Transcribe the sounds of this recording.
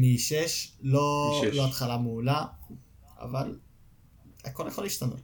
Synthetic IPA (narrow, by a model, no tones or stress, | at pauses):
miʃeʃloloat̪χalameula | a̰val | ako̞ljaχolːiːʃt̪ano̞̰t̪